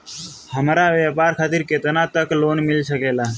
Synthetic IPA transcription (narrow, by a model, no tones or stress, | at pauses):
həmɾaʋeːpaːɾkʰaːt̪ɪɾket̪ənat̪əkloːnmɪlsəkeːlaː